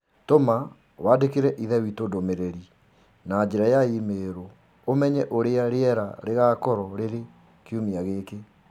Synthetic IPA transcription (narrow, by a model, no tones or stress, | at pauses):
toma | wadekeɾɛʔiðɛwitodomeɾɛɾi | nad͡ʒeɾajaimeːɾo | omɛɲɛʔoɾeaɾeɛɾa̰ɾeɣakɔɾɔɾeɾe | keumiaɣeke